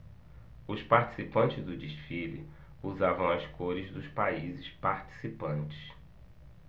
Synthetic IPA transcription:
ʊspaɾt͡ʃi̥sipɐ̃nt͡ʃɪzd̪ʊd͡ʒiʃfilḭ | uzavɐ̃w̃ɐskoɾɪzd̪ʊspaizɪspaɾt͡ʃi̥sipɐ̃nt͡ʃɪ̥s

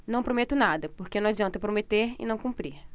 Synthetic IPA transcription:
nɐ̃w̃pɾomet̪ʊnad̪ɐpoɾkenɐ̃w̃ad͡ʒiɐ̃nt̪ɐpɾomet̪eɾɪ̰nɐ̃w̃kũpɾiɾ

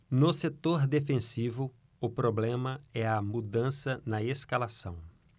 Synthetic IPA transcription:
nʊset̪oɾd̪efẽsivʊ | ʊpɾoblẽmɐɛɐmud̪ɐ̃sɐnɐeskalasɐ̰̃w̃

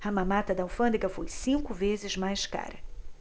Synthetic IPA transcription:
ɐmãmat̪ɐd̪ɐwfɐ̃nd̪eɡɐfojsĩŋkʊvezɪzmajska̰ɾɐ

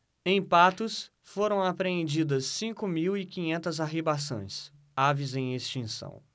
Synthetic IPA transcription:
ẽj̃pat̪ʊs | foɾɐ̃w̃apɾeẽnd͡ʒid̪ɐsːĩŋkʊmiwikĩɲẽnt̪ɐzaɦebas̬õ̰j̃s | avizẽj̃est͡ʃĩsɐ̰̃w̃

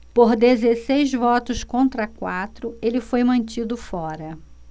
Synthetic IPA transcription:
poɾd̪ezesejzvɔt̪ʊskõnt̪ɾɐkwat̪ɾʊelɪfojmɐ̃nt͡ʃid̪ʊfɔɾɐ

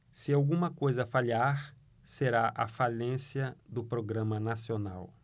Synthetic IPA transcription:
sɪawɡũmɐkojzɐfaʎiaɾ | seɾaʔɐ̰falẽsiɐd̪ʊpɾoɡɾɐ̃mɐnasiona̰w

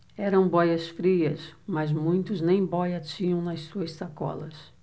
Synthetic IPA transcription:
ɛɾɐ̃w̃bɔjɐsfɾiɐsmɐzmũj̃t̪ʊznẽj̃bɔjɐt͡ʃĩɲɐ̃w̃nɐssuɐssakɔ̰lɐs

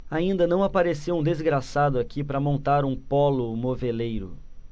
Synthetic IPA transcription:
aĩnd̪ɐnɐ̃w̃apaɾesewũd̪ezɡɾasad̪ʊakʰipɾɐmõnt̪aɾũpɔlʊmovelejɾʊ̰

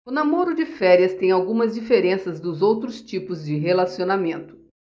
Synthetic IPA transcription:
ʊnamoɾʊd͡ʒɪfɛɾiɐst̪ẽj̃awɡũmɐzd͡ʒifeɾẽsɐzd̪ʊzowt̪ɾʊst͡ʃipʊzd͡ʒɪɦelasionamẽnt̪ʊ̥

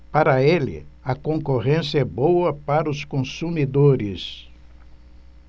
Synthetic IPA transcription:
paɾɐelɪ̰ɐkõkoʁẽsɪɐɛbowɐpaɾɐʊskõsumid̪oɾɪs

